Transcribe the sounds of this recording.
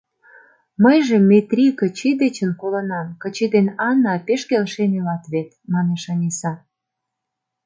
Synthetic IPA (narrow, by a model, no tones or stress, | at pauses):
məjʒĕmːet̪ɾʲikət͡ɕid̪et͡ɕənkolə̆nɑmkə̆t͡ɕid̪enɑnːɑpeʃkelʃenelɑt̪βet̪mɑneʃɑnʲesɑ